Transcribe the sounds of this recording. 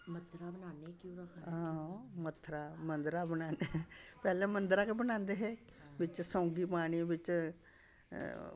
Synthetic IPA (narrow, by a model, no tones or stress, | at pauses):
mət̪ʰɾabənaːnekjũɾəkãmət̪ʰːɾaːmə̃nd̪ɾaːbənaːnepɛːlɛ̃ːmə̃nd̪ɾaːkebənãːnd̪eɦɛːʋɪt͡ʃsãːŋɡiːpaːɽ̃iʋɪt͡ʃ